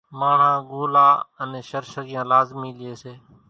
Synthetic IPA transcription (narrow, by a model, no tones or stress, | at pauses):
maːɳ̤ãːɡoːlaːənẽːʃəɾʃəɡɪjãːlaːzmiːlɪeːseː